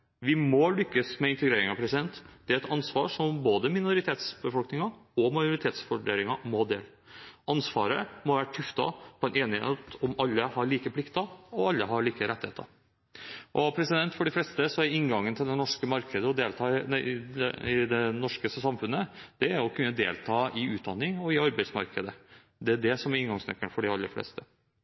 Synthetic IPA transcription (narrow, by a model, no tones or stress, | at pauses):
ʋɪmɔlʏkːəsmɛɪnt̪əɡɾeːɾɪŋɑpɾɛsɪd̪ɛnt̪d̪̥ɛæɾɛt̪ɑnsʋɑ̰ːʂɔmboːd̪əmɪnʊɾɪt̪ʰeːt̪sbəfɔlknɪŋɑɔmɑjʊɾɪt̪ʰeːt̪sfɔɖḛːlɪŋɑmɔd̪ḛːl | ɑnsʋɑ̰ːɾəmɔʋæːʈʰʉft̪ɑ̰pʰɔɛnʔeːnɪhḛːt̪ɔmɑlːəhɑɾɭiːkəpʰlɪkt̪ɑɔɑlːəɦɑɾɭiːkəɾɛt̪ɪhḛːt̪ʰə̰ | ʔɔpʰɾɛsɪd̪ɛnt̪fɔɖɪflɛːst̪əsɔæɾɪŋɡɑŋːənt̪ʰɪld̪ɛnɔʂkəmɑɾkʰəd̪əɔd̪eːlt̪ʰɑː | ɪd̪ɛnɔʂkəsɑmfʉnːəd̪̥ɛæɾɔkʰʉnːəd̪eːlt̪ʰɑːɪʉːt̪̚d̪ɑnːɪŋɔɪɑɾbæɪsmɑ̰ɾkəd̪ə | d̪ɛæɖɛsɔmæɾɪŋɡɑŋsnɛ̰kːəɳfɔɖɪɑlːə̰flɛ̰ːst̪ə